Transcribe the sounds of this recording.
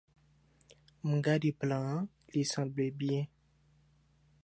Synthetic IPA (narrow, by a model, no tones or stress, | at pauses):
m̩ɡadiplã | lisãblebjɛ̃